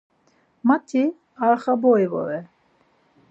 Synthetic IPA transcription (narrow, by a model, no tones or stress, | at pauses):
mat̪ʰi | aɾχabɔjvɔ̰ɾɛ